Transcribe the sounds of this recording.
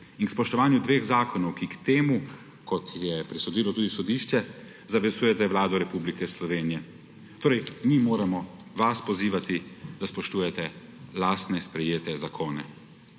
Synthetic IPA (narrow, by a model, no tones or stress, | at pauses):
inkspɔʃt̪ɔʋaːnjud̪ʋeːxzaːkɔnɔwkikt̪eːmu | kɔt̪jɛpɾisɔd̪iːlɔt̪uːd̪isɔd̪iːʃt͡ʃɛ | zaʋɛzuːjɛt̪ɛʋwlaːd̪ɔɾɛpublikɛslɔʋeːnijɛ | t̪oːɾɛjmimoːɾɛmɔʋaspɔziːʋat̪id̪aspɔʃt̪uːjɛt̪ɛlaːst̪nɛspɾɛjeːt̪ɛzakʰoːnɛ